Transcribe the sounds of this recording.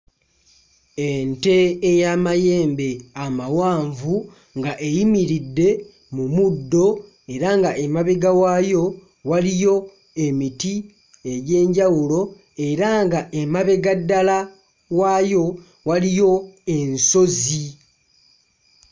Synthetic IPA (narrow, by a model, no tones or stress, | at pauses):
ente̞ːjamaje̞ːmbe̞amawaːɱvu | ŋɡaʔe̞jimiɾidːe̞ | mumudːo̞ | e̞ɾaŋɡaʔemaβe̞ɡawajo̞ | walijo̞ | e̞miti | e̞ɟe̞ːɲɟawulo̞ | e̞ɾaŋɡaʔemaβe̞ɡadːala | wajo̞ | walijo̞e̞nso̞zi